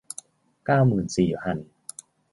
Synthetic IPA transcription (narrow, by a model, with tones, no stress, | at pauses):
kaː˥˩wmɯː˨˩nsiː˨˩pʰa˧˩n